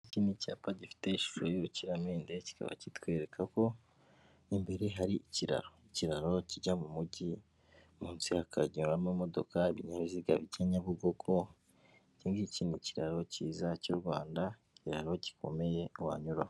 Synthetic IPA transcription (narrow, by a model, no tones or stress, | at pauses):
icinicaːpaɟifi̥te̞iʃu̥ʃojuɾuciɾameːndeci̥ka̰βa̰citwe̞ːɾekʰako̞ | imbe̞ɾeɦaɾiiciɾa̰ɾo̞iciɾaɾo̞ciɟamumuɟi | muːnsihakʰa̰ɟiɾamumo̞do̞̰kaiβiɲaβiziɡa̰βiɟaɲaβuɡoɡʰo | ciːŋɡiiciːniciɾaɾo̞ciːzacuɾɡwaːndaiciɾaɾo̞ci̥kʰo̞̰me̞je̞wa̰ɲuɾa